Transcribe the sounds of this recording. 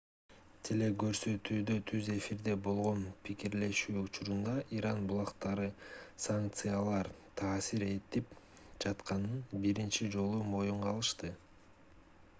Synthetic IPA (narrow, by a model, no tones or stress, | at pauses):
t̪ʰile̞ɡø̞ɾsø̞t̪yːd̪øt̪ʰyze̞fiɾd̪e̞bo̞lˠʁo̞npʰikiɾle̞ʃyːut͡ʃuɾund̪ɑʔiɾɑnbulˠɑqt̪ɑɾɯsaŋk̚t̪sɨjalˠɑɾt̪ʰɑːsiɾe̞t̪ip | d͡ʒɑt̪qɑnɯnbiɾint͡ʃid͡ʒo̞lˠumo̞juɴʁɑlˠɯʃt̪ɯ